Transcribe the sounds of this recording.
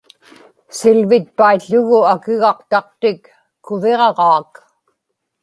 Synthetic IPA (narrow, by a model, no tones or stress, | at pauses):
sɪlvɪt̪̚paiʎːʊɣʊakɪɣɑqt̪ɑq̚t̪ɪkː | ʊveʁɑʁɑːk